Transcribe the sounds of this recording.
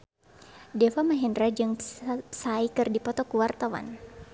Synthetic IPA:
dɛfamaɦindɾad͡ʒɨŋsaikɨrdipɔt̪ɔkuwart̪awa̰n

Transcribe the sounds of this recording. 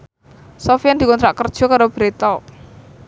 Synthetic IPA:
sɔfiand̪i̤kɔnt̪ɾaʔkərd̥ʒ̥ɔ̤kaɾob̥ɾet̪ɔ

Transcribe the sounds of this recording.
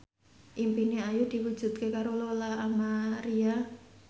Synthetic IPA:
ʔimpiniajud̪̥i̤wu̥ʒ̥ṳt̪̚kekaɾololaamaɾia

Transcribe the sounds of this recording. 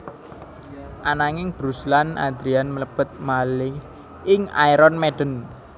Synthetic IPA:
ʔanaŋɪŋb̥ɾuslana̰d̪ɾianmələb̥ə̤t̪̚malɪh | ɪŋa̰iɾɔnmeɖ̥ən

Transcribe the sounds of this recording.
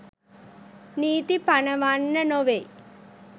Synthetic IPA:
niːt̪ipanəʋanːənoʋej

